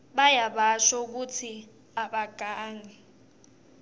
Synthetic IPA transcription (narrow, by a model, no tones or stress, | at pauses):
ɓajaɓaʃɔuk̬ut͡sʰi | aɓaɡ̥ʱaːŋɛ